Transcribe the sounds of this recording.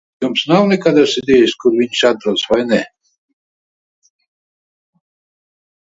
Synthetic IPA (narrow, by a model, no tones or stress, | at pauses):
umsnawnʲɛkad̪asid̪ʲɛjiskuɾviɲʃat̪̚b̪ɾɔsvajnɛ